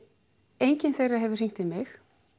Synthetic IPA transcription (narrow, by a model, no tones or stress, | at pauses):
ejɲcɪnθejraɦɛvʏr̥riŋ̥t̪ɪðmɪx